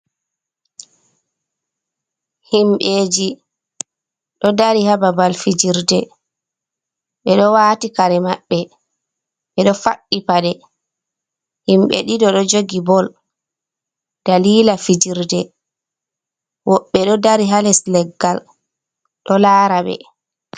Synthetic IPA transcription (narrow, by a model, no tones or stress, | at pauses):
himɓeːd͡ʒi | ɗɔdaɾihababalfid͡ʒiɾdɛ | ɓɛɗɔwaːtikaɾɛmaɓːɛ | ɓɛɗɔfaɗːipaɗɛ | himɓɛ̰ɗidɔɗɔd͡ʒoɡibɔl | d̥aliːlafid͡ʒiɾdɛ | wɔɓːɛɗɔdaɾiɦalɛslɛɡːal | ɗɔlaːɾaɓɛ̰